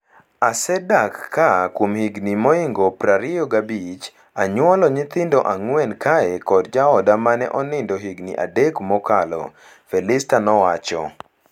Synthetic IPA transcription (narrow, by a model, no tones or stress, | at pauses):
asɛdakːakwomhiɡnimɔiŋɡɔpraɾijɔɡabit͡ʃ | aɲwɔlɔɲɪt̪ɪndɔʔaŋwɛnkaɛkɔdd͡ʒaɔdamanɛ̰ʔɔnɪndɔɦiɡnḭʔa̰dɛkmɔkalɔ̰ | fɛlɪstanɔwat͡ʃɔ̰